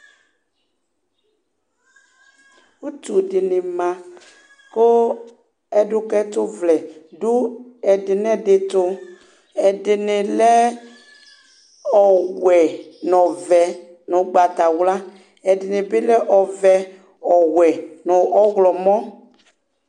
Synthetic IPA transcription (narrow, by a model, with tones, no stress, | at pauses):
u˦tu˨dɪ˨nɪ˨mã˨ | ko˦ | ɛ˨dʊ˦kɛ˦tʊ˦vlɛ˨dʊ˦ɛ˨dɪ˨n˦ɛ˦˨dɪ˨tʊ˦ | ɛ˨dɪ˨nɪ˨lɛ˦ | ɔ˨wɛ˨nɔ˨vɛ˨ | nʊ˨ɡ͡ba˨ta˨wla˦ | ɛ˨dɪ˨nɪ̃˨bɪ˦lɛ˦ʔɔ˨vɛ˨ | ɔ˨wɛ˨nʊ˨ʔɔ˦ɣlɔ˨mɔ̃˦